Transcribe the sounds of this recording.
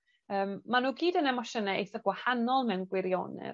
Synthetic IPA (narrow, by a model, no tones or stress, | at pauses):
əːmːanuːɡiːdənɛmɔʃənɛejθɔɡwahanɔlˠmɛwnɡwɪɾjɔ̰nɪ̰